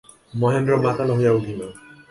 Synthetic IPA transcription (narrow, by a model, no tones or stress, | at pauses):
mɔɦenɾɔmat̪alɔɦujauʈima